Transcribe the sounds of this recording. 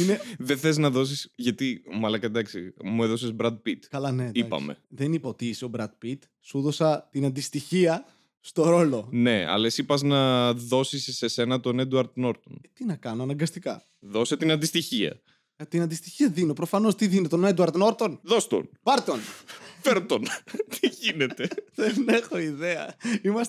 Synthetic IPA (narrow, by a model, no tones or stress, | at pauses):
ineðeθeiznɐðo̞s̬isʝɐt̪imɐlɐkɐd̪ɐksḭmueðo̞sezbɾɐd̪̚pit̪kɐlɐnediɐpɐ̰me̞̰ðenipot̪iso̞bɾɐd̪̚pit̪ | suðo̞sɐt̪inɐnd̪ist̪içiɐ | st̪o̞ɾo̞lo̞ne̞ɐ̰lesipɐznɐðo̞sisse̞se̞nɐt̪o̞ned̪uɐɾd̪no̞ɾt̪ont̪inɐkɐno̞ɐnɐŋɡɐst̪ikɐ̰ | ðo̞set̪inɐnd̪ist̪içiɐ̰ | ɐt̪inɐnd̪ist̪içiɐðinopɾofɐno̞st̪iðinet̪oned̪uɐɾd̪noɾt̪o̞nðo̞st̪o̰n | vɐɾt̪o̞nfeɾt̪ont̪iʝine̞t̪e̞ðenexo̞iðeɐ̰imɐs